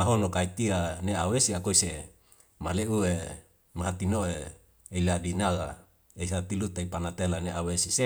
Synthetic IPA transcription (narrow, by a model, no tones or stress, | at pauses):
aɦonokait̪ianeawesiakoise | maleue | maɦat̪inoeː | iladinaɡa | eisat̪ilut̪aipanat̪elaneʔawesise